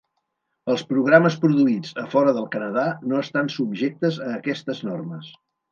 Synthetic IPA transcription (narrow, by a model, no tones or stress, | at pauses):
əlˠspɾuɣ̞ɾaməspɾuðuid͡zəfɔɾəðəlˠkənəðanoəst̪ansubʒek̚t̪əzəːkɛst̪əznorməs